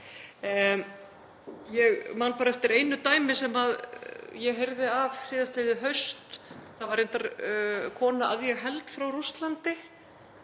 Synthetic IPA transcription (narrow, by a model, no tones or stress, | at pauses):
jɛɣmanpaːɾaɛft̪ɪɾejnʏt̪aːjmɪsɛmaðjɛɣɦejɾðɪavsɪːðast̪ejðɪɦœɥst̪θavaɾejnt̪aɾkʰɔːnaʔaðjɛɣɦɛlt̪fɾawrust̪lant̪ɪ